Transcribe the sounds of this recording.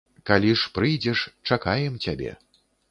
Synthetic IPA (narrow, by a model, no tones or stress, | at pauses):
kalʲiʂpɾɨjd͡zʲɛʂt͡ʂakajɛmt͡sʲabʲɛ̰